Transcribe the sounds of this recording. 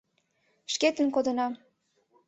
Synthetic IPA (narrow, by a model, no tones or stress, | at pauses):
ʃket̪ənkod̪ɤ̆nɑ